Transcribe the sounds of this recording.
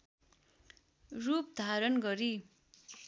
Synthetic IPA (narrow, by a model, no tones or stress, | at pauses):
rup̚d̪ʱaɾʌnɡʌɾi